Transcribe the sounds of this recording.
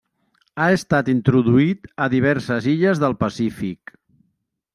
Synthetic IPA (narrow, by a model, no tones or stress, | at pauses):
aəst̪at̪int̪ɾuðuit̪əðiβ̞ɛɾsəziʎəzðəlˠpəsifik